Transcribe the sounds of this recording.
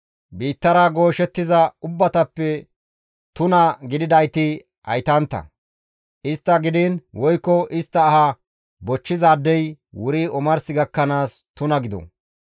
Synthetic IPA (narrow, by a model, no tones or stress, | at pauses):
biːt̪ːɐɾaɡo̞ːʃɛt̪ːɪzɐʊbːɐt̪ɐpːɛ | t̪ʊnɐɡɪd̪ɪd̪ɐjt̪ɪ | ɐ̰jt̪ɐnt̪ːɐ̰ | ʔɪst̪ːɐɡɪd̪ɪnwɔjkːɔʔɪst̪ːɐːhɐ | bɔt͡ʃːɪzaːd̪ːɛjwʊɾiɔmɐɾsɪɡɐkːɐnaːst̪ʊnɐɡɪd̪ɔ̰